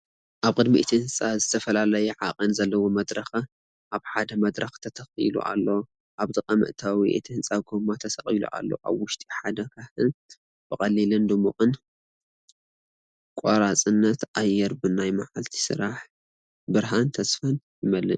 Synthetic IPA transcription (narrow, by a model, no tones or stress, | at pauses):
ʔaβkʼɨd̪mḭʔt̪ʰihɨnt͡sʼazɨt̪ʰɐfɐlalɐjɛʕaqʼɨnzɐlːɐwomɐd̪ɾɐx | ʔaβħad̪ɐmɐd̪ɾɐxt̪ʰɐt̪ʰɐxḭlṵʔa̰lːo̞ | ʔaβd̪ɨkʼɐmɨ̰ʔt̪ʰawiʔet̪ʰihɨnt͡sʼaɡomːat̪ʰɐsɐxʼilṵʔa̰lːo̞̰ʔa̰βwʊʃt̪ʼi̥ħad̪ɐkʰahɨn | b̥ɨkʼɐlːilɨnd̪ɨmuxʼɨn | kʼoɾat͡sʼɨnːɐt̪ʔajːɛɾbɨnajmaʕalt̪ʰi̥sɨ̰ɾaħ | bɨɾɦant̪ʰɐsfɐn | jɪmɐlːɨn